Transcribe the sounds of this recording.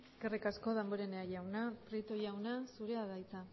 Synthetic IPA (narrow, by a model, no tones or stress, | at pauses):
eskerikasko̞ðamboɾeneajawnapɾet̪oʝawnasuɾe̞aðajt͡sa